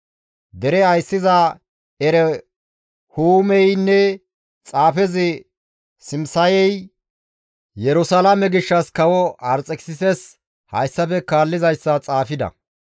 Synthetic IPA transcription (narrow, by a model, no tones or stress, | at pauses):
d̪ɛɾɛɐjsːɪza | ɛɾɛ | huːmɛjnːɛ | t͡sʼaːfɛzɪ | sɪmsɐjɛj | jɛɾʊsɐlamɛɡɪʃːɐskɐwɔɐɾt͡sʼɛksɪsɛs | hɐ̰jsːɐfɛkaːlːɪzɐjsːɐt͡sʼaːfɪd̪ɐ̰